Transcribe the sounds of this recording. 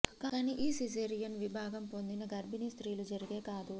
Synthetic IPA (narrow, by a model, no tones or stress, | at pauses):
kaːɐniʔiːsizeːɾijɐnʋibʱaːɡɐmpo̞nd̪inɐɡɐɾbinist̪ɾiːlud͡ʒɐɾiɡe̞ːkaːd̪u